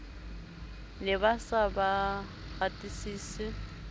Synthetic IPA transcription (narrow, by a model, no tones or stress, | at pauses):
lɪbasaba | ɣatʼisiːsɪ